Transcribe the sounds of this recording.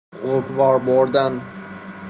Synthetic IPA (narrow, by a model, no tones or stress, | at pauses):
qʰoɾkvɒɾboɾd̪an